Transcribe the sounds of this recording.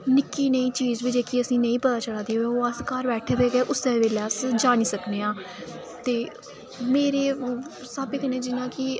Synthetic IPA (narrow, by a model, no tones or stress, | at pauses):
nɪkiːnəĩːt͡ʃiːzʋid͡ʒeːkiːəsĩːnəĩːpət̪aːt͡ʃəlaːd̪iːɦoeoːəskaːɾbɛːʈʰeːbeːɡeːʔʊsẽːʋeːleəsd͡ʒaːniːsəkneːãː | t̪eː | meːɾeː | səbɪknẽːd͡ʒɪnãːkɪ